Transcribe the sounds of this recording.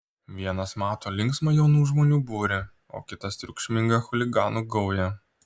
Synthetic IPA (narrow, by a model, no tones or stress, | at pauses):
ʋʲiɛnɐsmɑːt̪oːlʲɪŋksmɐjɛʊnuːʒmoːnʲuːbuːɾʲɪ | o̰ːkʲɪt̪ɐst̪ʲɾʲʊkʃʲmʲɪŋɡɐxʊlʲɪɡɑːnuɡɒʊjɛ